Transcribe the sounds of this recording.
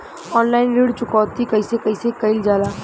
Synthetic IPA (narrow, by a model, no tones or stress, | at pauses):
ɔːnlaːɪnɾiːɽt͡ʃʊkɔːt̪ːikɐisekɐisekɐɪld͡ʒaːlaː